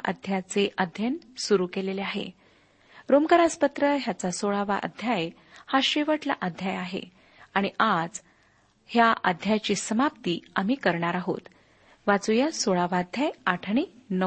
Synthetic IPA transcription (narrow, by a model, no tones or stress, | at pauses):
ʔə̰d̪ʱjat͡seʔəd̪ʱjənsuɾukeleleaɦḛ | ɾomkəɾaspət̪ɾəɦjat͡sasoɭaʋa̰d̪ʱjaj | haɕeʋəʈla̰ʔəd̪ʱjajaɦḛ | aɽ̃iʔad͡z | hjaʔə̰d̪ʱjajt͡ɕiːsəmap̚t̪iːam̤iːkəɾɳaɾaɦo̰t̪ | ʋat͡sujasoɭaʋad̪ʱjajaʈʰɳ̃enə